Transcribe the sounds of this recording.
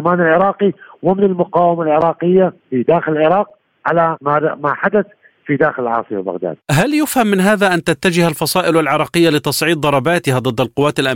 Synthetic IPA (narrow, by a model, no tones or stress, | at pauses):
maːnɪlʕɪɾˤɑːqiwɪmɪnɪlmʊqɑːwɪmalʕɪɾˤɑːqɪjːafid̪aːxɪlɪlʕɪɾˤɑːq̚ | ʕalamamaħad̪aθ | fid̪aːxɪlɪlʕɑ̰ːsˤɨa̰ba̰ɣd̪a̰ːd̪̚ɦaljʊfhamːɪnɦaːðaʔant̪at̪ːad͡ʒɪhalfɑsˤɑːʔɪlwalʕɪɾˤɑːqɪjːalɪt̪ɑsˤʕiːd̪̚ˤɑɾˤɑbaːt̪ɪhad̪ˤɨd̪ːalqʊwːaːt̪alʔa